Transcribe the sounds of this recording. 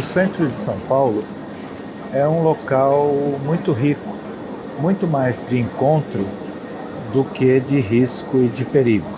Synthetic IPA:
ʊsẽnt̪ɾʊd͡ʒɪsɐ̃w̃pawlʊ | ɛũlokawmũj̃t̪ʊɦikʊ̥ | mũj̃t̪ʊmajzd͡ʒɪẽŋkõnt̪ɾʊ | d̪ʊked͡ʒɪɦiskʊɪd͡ʒɪpeɾiɡʊ

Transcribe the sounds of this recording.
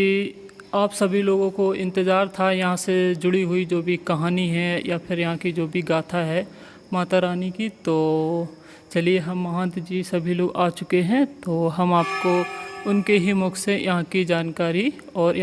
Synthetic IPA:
i | aːpsɐbʱiloːɡõkoɪ̃nt̪ɪzaːɾt̪ʰajɐɦãsed͡ʒʊɽiɦʊid͡ʒoːbʱikɐɦaːniɦɛjapʰɪɾjɐɦãkid͡ʒoːbʱiɡaːt̪ʰaɦɛː | maːt̪aɾaːnikit̪oː | t͡ʃɐlieɦɐmːɐɦãːnt̪d͡ʒisɐbʱiloːɡaːt͡ʃʊkeɦɛ̃t̪oːɦɐmaːpkoʊnkeɦimʊkʰsejʔɐɦãkid͡ʒaːnkaːɾiɔːɾj

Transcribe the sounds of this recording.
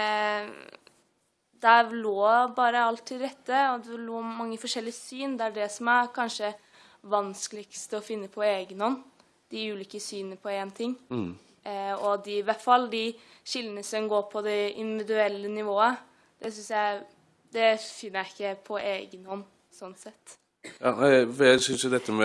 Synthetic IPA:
d̪æloːbɑːɾəɑlt̪ʰːɪlɾɛt̪ːəɔd̪ɛloːmɑŋːəfɔʂɛlːɪəsyːnd̪ɛæɖɛsɔmæɾkʰɑnʂə | ʋɑnskəlɪkst̪əɔfɪnːəpʰɔeːɡənhɔnː | d̪̥ɪʉːliːkəsyːnəpʰɔeːnt̪ʰɪŋː | ɔd̪ɪʋæʈfɑlːd̪ɪɕɪld̪ənəsɔmɡoːɾpʰɔd̪ɛɪ̰nd̪ɪʋɪd̪ʉɛlːənɪʋoːə | d̪̥ɛsʏnsjæɪ | d̪ɛfɪnːəɾæɪkːəpʰɔʔeːɡənhɔnː | sɔnsɛt̪ː | jɑ̰ːnæʋɛsʏnsəd̪ɛt̪ːəmɛ

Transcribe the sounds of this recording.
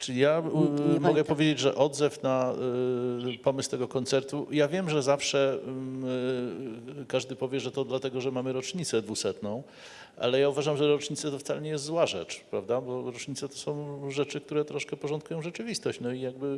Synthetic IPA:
t͡ʂɘlʲijamɔɡɛpɔvʲjed͡ʑed͡ʑʐɛ̰ʔɔd̪zɛfna | pɔmɘst̪ɛɡɔkɔnt̪sɛɾt̪ujavʲjɛmʐɛzafʂɛ | kaʐd̪ɘpɔvʲjɛʐɛt̪ɔd̪lat̪ɛɡɔʐɛmamɘɾɔt͡ʂɲit̪sɛd̪vusɛt̪nɔ̃w̃ | ʔa̰lɛjauvaʐamʐɛɾɔt͡ʂɲit̪sɛt̪ɔft̪salɛɲɛjɛst̪zwaʐɛ̰t͡ʂpɾavd̪abɔɾɔt͡ʂɲit̪sɛt̪ɔ̥sɔ̃w̃ʐɛt͡ʂɘk̚t̪uɾɛt̪ɾɔʂkɛpɔʐɔnt̪̚kujɔ̃w̃ʐɛt͡ʂɘvʲist̪ɔɕt͡ɕnɔijaɡ̚bɘ

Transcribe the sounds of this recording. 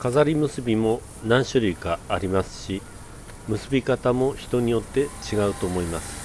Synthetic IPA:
kazaɾʲimɯ̟sɨbʲimo̞ | nãɰ̃ɕoɾʲiːkaːɾʲimasɨ̥ɕi | mɯ̟sɨbʲikat̪amo̞çi̥t̪o̞ɲ̟ijo̞t̪ːe̞t͡ɕiɡaɯ̟t̪o̞ːmo̞imasɨ̥

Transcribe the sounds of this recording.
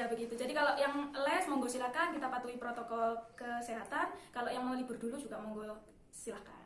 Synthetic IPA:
abəɡit̪ud͡ʒadikaloʔjaŋəlɛsmɔŋɡosilahkankit̪apat̪uipɾot̪ɔkɔlkəseɦat̪ankaloʔjaŋməulib̥ərdulud͡ʒuɡamɔŋɡo | silahka̰n

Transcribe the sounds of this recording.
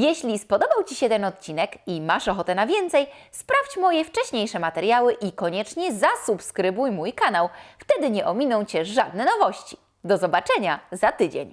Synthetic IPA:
jɛɕlʲispɔd̪ɔbawt͡ɕiɕɛt̪ɛnɔt̪̚t͡ɕinɛkimaʂɔxɔt̪ɛnavʲjɛnt̪sɛjspɾaft͡ɕmɔjɛft͡ʂɛɕɲejʂɛmat̪ɛɾjawɘʔikɔɲɛt͡ʂɲɛzasupskɾɘbujmujkanawft̪ɛd̪ɘɲɛʔɔmʲinɔ̃w̃t͡ɕɛʐad̪̚nɛnɔvɔɕt͡ɕi̥ | d̪ɔzɔbat͡ʂɛɲazat̪ɘd͡ʑḛɲ

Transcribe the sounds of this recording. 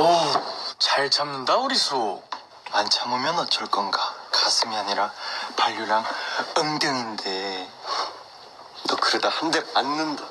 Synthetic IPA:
ʌt͡ɕaɭt͡ɕamnɯndauɾisʰo | mant͡ɕʰamomjʌnʌt͡ɕʌɭk͈ʌnɡakasʰɯmiaɲiɾapaʎːuɾaŋɯmdɯnɯnde̞ | tʌkɯɾedahande̞manːɯnda

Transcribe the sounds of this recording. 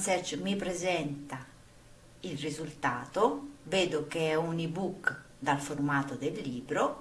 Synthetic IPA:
sɛɾt͡ʃmipɾezɛnt̪a | ilrizult̪aːt̪oveːd̪okeɛunibuk | d̪alformaːt̪od̪elːiːbɾo

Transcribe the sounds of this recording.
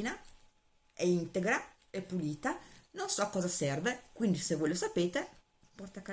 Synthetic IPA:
ina | ɛint̪eɡɾa | ɛpːuliːt̪anonsɔkːɔːzasɛrvekwind̪isevojlosapeːt̪e | pɔrt̪akːa

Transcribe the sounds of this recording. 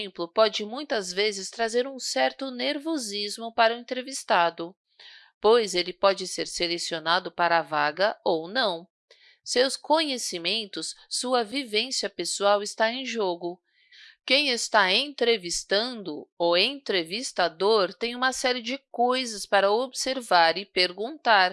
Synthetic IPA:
mplʊpɔd͡ʒɪmũj̃t̪ɐzvezɪst̪ɾazeɾũsɛɾt̪ʊneɾvozizmʊpaɾɐʊẽnt̪ɾevist̪ad̪ʊ | pojzelɪpɔd͡ʒɪseɾselesionad̪ʊpaɾɐavaɡɐownɐ̃w̃ | sewskõɲesimẽnt̪ʊsːuɐvivẽsiɐpesuawɪst̪aẽj̃ʒoɡʊ | kẽj̃ɪst̪aẽnt̪ɾevist̪ɐ̃nd̪ʊowẽnt̪ɾevist̪ad̪oɾt̪ẽj̃ũmɐsɛɾɪd͡ʒɪkojzɐspaɾɐobseɾvaɾɪpeɾɡũnt̪aɾ

